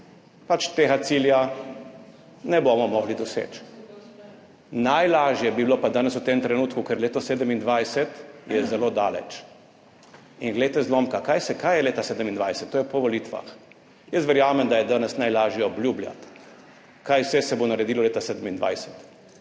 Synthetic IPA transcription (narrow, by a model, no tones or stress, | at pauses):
pat͡ʃt̪eːɣat̪silja | nɛbomɔmɔɣlid̪ɔsḛːt͡ʃ | najlaːʒjɛbibilopad̪aːnɛswt̪emt̪ɾɛnuːt̪kukɛɾleːt̪ɔseːd̪əmind̪ʋajsɛt̪jɛzɛlod̪aːlɛ̰t͡ʃ | inɡlɛjt̪ɛzlomkakajsɛkajɛleːt̪aseːd̪əmind̪ʋajsɛt̪ːoːjɛpɔʋɔlit̪ʋa̰x | jəst̪ʋɛɾjaːmɛmd̪ajɛd̪aːnɛsnajlaːʒjɛɔbljublja̰t̪ | kajwsɛsɛbonaɾɛd̪ilɔleːt̪aseːd̪əmind̪ʋa̰jsɛ̥t̪